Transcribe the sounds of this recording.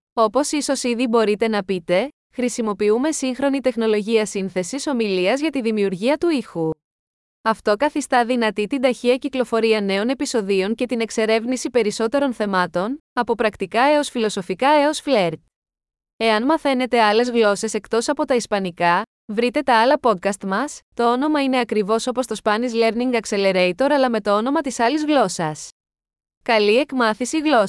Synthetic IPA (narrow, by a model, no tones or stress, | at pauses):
o̞po̞siso̞siðibo̞ɾit̪e̞nɐpit̪e̞ | xɾisimo̞piume̞siŋxɾo̞nit̪e̞xno̞lo̞ʝiɐsinθe̞siso̞miliɐzʝɐt̪iðimiuɾʝiɐt̪uixu | ɐft̪o̞kɐθist̪ɐðinɐt̪it̪ind̪ɐçiɐciklo̞fo̞ɾiɐne̞o̞ne̞piso̞ðio̞ɲce̞t̪ine̞kse̞ɾe̞vnisipe̞ɾiso̞t̪e̞ɾo̞nθe̞mɐt̪o̞nɐpo̞pɾɐkt̪ikɐe̞o̞sfilo̞so̞fikɐe̞o̞sfleɾd̪̚ | e̞ɐnmɐθe̞ne̞t̪e̞ɐle̞zɣlo̞se̞se̞kt̪o̞sɐpo̞t̪ɐispɐnikɐ | vɾit̪e̞t̪ɐɐlɐpo̞t̪̚kɐst̪mɐst̪o̞o̞no̞mɐine̞ɐkɾivo̞so̞post̪o̞spɐnizle̞ɾniŋɡɐkse̞leɾejt̪o̞ɾɐlɐme̞t̪o̞ono̞mɐt̪isɐlizɣlo̞sɐs | kɐlie̞kmɐθisiɣlo̞